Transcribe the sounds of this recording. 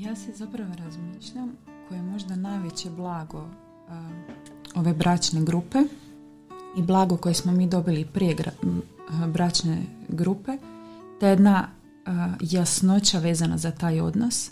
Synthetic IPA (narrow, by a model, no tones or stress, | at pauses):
jaːsezapɾaʋoɾazmiːʃʎamkʰojemo̞ʒd̪anajʋit͡ɕeblˠaːɡo̞ | o̞ʋe̞bɾat͡ʃne̞ɡɾuːpe | iblˠaːɡo̞ko̞jesmo̞miːd̪o̞bilipɾijeɡ | bɾat͡ʃneɡɾuːpe̞ | t̪ejed̪na | jasno̞t͡ɕaʋe̞ːzanazat̪aːjo̞̰d̪nos